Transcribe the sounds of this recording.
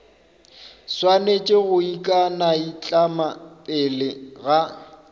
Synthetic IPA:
swanet͡ʃʼeɣʊikʼanait͡ɬʼamapʼɪlɪɣa

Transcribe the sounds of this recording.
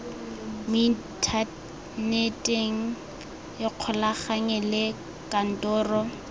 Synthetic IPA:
mi | tʰa | netʼeŋ̩ | jɪq͡χʰɔlaχaŋɛlɪ | kʼan̩tʼɔːrɔ

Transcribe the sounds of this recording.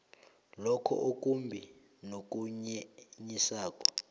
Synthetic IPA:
lɔkʰɔ̰ʔok̬ʼumbʱi | nok̬ʼuɲɛɲisaːk̬ʼɔ̥

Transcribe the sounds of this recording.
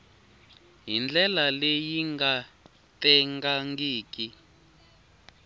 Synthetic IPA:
ɦind͡ɮɛlalejiŋɡa | tɛŋɡaŋɡiːki

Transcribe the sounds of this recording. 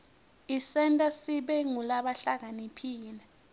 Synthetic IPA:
isɛntʼasiɓɛŋulaɓaɬak̬anipʰiːlɛ

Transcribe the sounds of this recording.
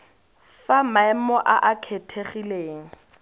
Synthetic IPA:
famaɛmɔʔaʔakʰetʰeχileːŋ̩

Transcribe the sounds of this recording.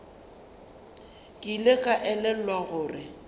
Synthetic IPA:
kʼilekʼaʔɛlɛlwaɣʊːrɪ

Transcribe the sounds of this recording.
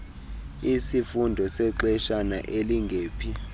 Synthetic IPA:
isifundʱɔsɛǃɛʃana̰ʔeliŋɡʱeːpʰi

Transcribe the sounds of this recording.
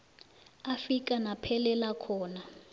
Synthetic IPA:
afik̬ʼanapʰɛlɛlakʰɔːna

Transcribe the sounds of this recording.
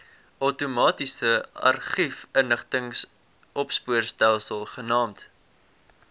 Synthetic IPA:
ʔəwtumɑːtisəɐ̰rχifənəχtəŋs | ʔɔpspuərstælˠsəlˠχənɑːmt

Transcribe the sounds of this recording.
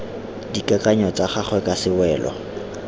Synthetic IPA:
dikʼakʼaɲɔt͡saχaχwɛkʼasɪwɛːlɔ̰

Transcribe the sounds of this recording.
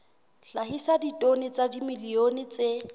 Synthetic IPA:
ɬaɦisaditʼonɪt͡sadimilionɪt͡se

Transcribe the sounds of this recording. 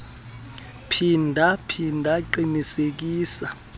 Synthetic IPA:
pʰindʱapʰindʱaǃinisek̬iːsa

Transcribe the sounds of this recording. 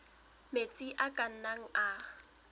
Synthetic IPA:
met͡sʼiʔakʼan̩naŋ̩aː

